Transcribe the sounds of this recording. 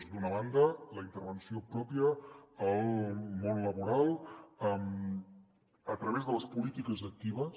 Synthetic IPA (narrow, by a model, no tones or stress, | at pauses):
zd̪unəβ̞and̪ələint̪əɾβənsiopɾɔpiəəlˠmonləβuɾalˠəm | ət̪ɾəβ̞ezðələspulit̪ikəzək̚t̪iβə